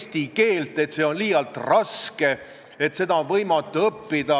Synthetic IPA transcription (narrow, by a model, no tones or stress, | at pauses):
st̪ike̞ːlt̪ːˑe̞t̪seːo̞nliːjɑlt̪rɑske | e̞t̪se̞d̪ɑonvɤjmɑt̪ːˑuɤpːid̪̥ɑ